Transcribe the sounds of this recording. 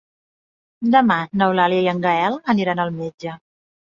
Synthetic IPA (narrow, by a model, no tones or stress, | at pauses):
d̪əmanəwlaliəiəŋɡəɛlˠəniɾanəlˠmed͡ʒə